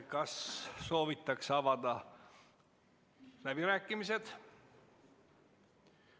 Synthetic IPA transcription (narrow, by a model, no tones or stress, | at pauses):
kɑsːo̞ːvit̪ːˑɑksɑvɑd̪̥ɑ | læb̥iɾæːkːˑimise̞d̪̥